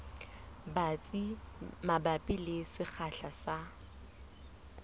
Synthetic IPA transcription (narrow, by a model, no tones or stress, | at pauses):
bat͡sʼimabapʼilɪsɪk͡xʰaɬasa